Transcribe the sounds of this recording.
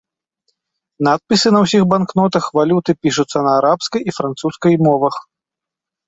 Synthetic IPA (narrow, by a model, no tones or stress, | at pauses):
nat̪̚pʲisɨnɐwsʲixbanknɔt̪ɐxvalʲut̪ɨpʲiʂut̪sːɐnɐːɾapskɐjifɾant̪suskɐjmɔvɐx